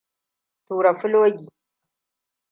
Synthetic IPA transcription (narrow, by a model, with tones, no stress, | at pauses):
tuː˨ɾa˨fʊ˦lwɐ˦ɡʲi˨